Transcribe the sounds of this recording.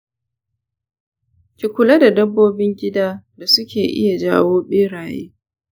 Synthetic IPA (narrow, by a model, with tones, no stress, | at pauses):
kʲi˨kʷʊ˨la˦da˨dɐ˦bːoː˦bɪ˦ŋɡʲɪ˦daː˦da˨sʊ˦kʲeː˨ʔɪ̰˦ja˨d͡ʒaː˦woː˦ɓeː˦ɽaː˨jḛː˦